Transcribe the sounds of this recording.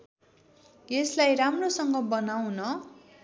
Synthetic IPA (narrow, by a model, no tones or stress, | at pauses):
eslajramrosʌŋɡʌbʌnawnʌ